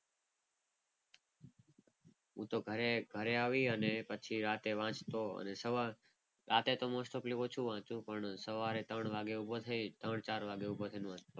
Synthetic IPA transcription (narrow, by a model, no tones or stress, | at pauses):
ũt̪oɡʱəɾeɡʱəɾeaʋiənepət͡ʃʰiɾat̪eʋãt͡ʃt̪oə̰nesəʋa | ɾat̪et̪omosʈopliot͡ʃʰũʋãt͡ʃũpəɳsəʋaɾet̪əɳʋaɡeubot̪ʰəit̪əɳt͡ʃaːɾʋaɡeubot̪ʰəinũʋãt͡ʃt̪o